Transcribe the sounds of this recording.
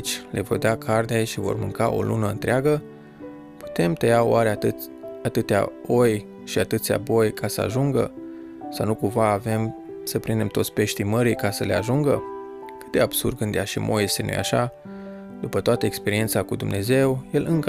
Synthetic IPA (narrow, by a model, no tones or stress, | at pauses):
t͡ʃʲlʔe̞vo̞rd̪akʰarne̞ʃivo̞̰rmɨŋkaʔo̞̰lʔṵnəɨ̰nt̪ɾeaɡə | pu̥t̪e̞mt̪ejaoaɾe | at̪ɨt̪ea̰o̞j | ʃiat̪ɨt̪sʲa̰bo̞jkʰasəa̰ʒuŋɡə̰ | sawnukumvaːve̞m | səpɾind̪e̞mt̪o̞t̪sʲpe̞ʃt̪iməɾijkasəle̞aʒuŋɡə̰ | kɨt̪d̪e̞ab̥surd̪̚ɡɨnd̪jaʃimʔo̞̰jest̪e̞nṵja̰ʃa | d̪upət̪oat̪əekspe̞ɾie̞nt̪sakud̪umne̞ze̞wje̞lʔɨŋkə